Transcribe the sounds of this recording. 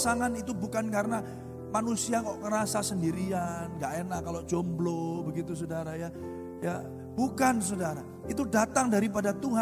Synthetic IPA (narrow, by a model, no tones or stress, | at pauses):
saŋanit̪ubukankaɾəna | manusiaŋɔʔkəɾasasəndiɾianɡaʔɛnakalod͡ʒomblobəɡit̪us̬odaɾaja | ja̰ | bukans̬odaɾa | it̪̬udat̪aŋdaɾip̬adat̪uɦa